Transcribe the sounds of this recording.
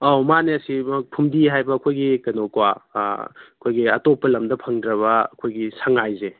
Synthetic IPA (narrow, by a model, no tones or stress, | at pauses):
awmaneɐsipʰumdiɦajbɐːkʰojɡikɐnokwa | ɐkʰojɡiɐtopːɐlɐmdɐpʰɐŋdɾɐβɐɐkʰojɡisʰaŋajze